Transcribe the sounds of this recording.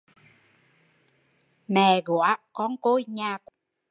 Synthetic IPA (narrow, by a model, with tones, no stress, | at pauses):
mɛ˨˩ɣo˧˨a˦kɔ˧nko˧˩jɲaː˨˩k